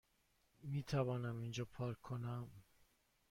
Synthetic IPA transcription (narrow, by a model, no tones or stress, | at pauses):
miːt̪ʰævɒːnæmind͡ʒɒːpʰɒːɾkʰːonæm